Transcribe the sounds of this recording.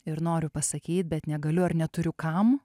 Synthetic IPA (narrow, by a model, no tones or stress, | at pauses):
ɪɾnoːɾʲʊpɐsɐkʲiːt̪̚bʲɛt̪nʲɛɡɐlʲʊɐɾnʲɛt̪ʊɾʲʊkɐm